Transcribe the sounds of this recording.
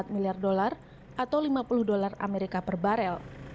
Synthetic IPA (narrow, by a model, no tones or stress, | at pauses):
at̪̚miliardolar | ʔat̪awlimapulʊhdolara̰meɾikapərbaɾɛl